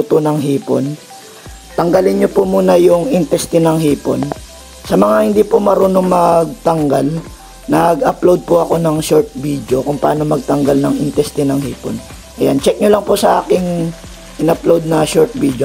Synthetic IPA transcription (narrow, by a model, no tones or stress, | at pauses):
ʊt̪onɐŋɦiːpo̰n | t̪ɐŋɡɐlɪnɲopomuːnɐjʊŋʔɪnt̪ɛst̪ɪnɐŋɦiːpo̰n | sɐmɐŋahɪnd̪iːpomɐɾonoŋmɐɡ̚t̪ɐŋɡal | nɐɡɐplowd̪̚pʊʔɐko̞nɐŋʃoɹt̪̚bid̪o̞kʊŋpɐʔaːno̞mɐɡ̚t̪ɐŋɡalnɐŋʔɪnt̪ɛst̪ɪnɐŋhiːpo̰n | ʔɐjant͡ʃɛk̚ɲʊlɐŋpʊsɐʔa̰ːkɪŋ | ʔɪnɐplowd̪̚nɐʃoɹt̪̚bid̪o